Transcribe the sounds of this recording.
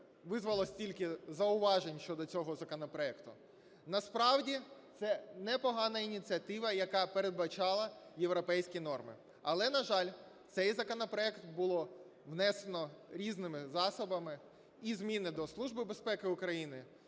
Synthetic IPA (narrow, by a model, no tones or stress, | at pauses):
ʋɪzʋɐlˠɔsʲtʲilʲkɪzɐʊʋɑʒenʲʃt͡ʃɔd̪ɔt͡sʲɔɦɔzɐkɔnɔpɾɔɛkt̪ʊ | nɐspɾɑwdʲit̪sɛnɛpɔɦɑnɐinʲit͡sʲiɐt̪ɪʋɐjɐkɑpeɾe̞d̪̚bɐt͡ʃɑlˠɐjeʋɾɔpɛjsʲkʲinɔrmɪ̰ | ɐlˠɛnɐʒɑlʲ | t̪sɛjzɐkɔnɔpɾɔɛkt̪bʊlˠɔ | ʋnɛsenɔɾʲiznɪmɪzɑsɔbɐmɪ | izmʲinɪd̪ɔslˠuʒbɪbe̞spɛkɪʊkɾɐjinɪ